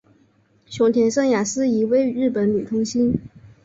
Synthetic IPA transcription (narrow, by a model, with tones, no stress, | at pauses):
ɕjʊ˧˥ŋt̪ʰjɛ˧˥nʂɤ˥ŋja˨˩sɹ̩˥i˧˥we˥ɪ˧ɻɻ̩˥˩pə˨˧˥nly˨˩t̪ʰʊ˥ŋɕi˥n